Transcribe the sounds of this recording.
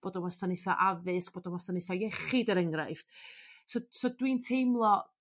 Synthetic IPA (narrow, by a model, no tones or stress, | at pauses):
b̥oːdɔmasanɪθa̰ʔavɨsb̥oːdɔnwasanɪθajɛχɪdəɾəŋrajftsosodwintʰejmlˠɔ